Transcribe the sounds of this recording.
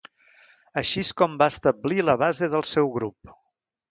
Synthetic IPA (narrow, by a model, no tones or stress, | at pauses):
əʃiskɔmbaəst̪əbliləβ̞azeðəlˠsɛwɣɾup̚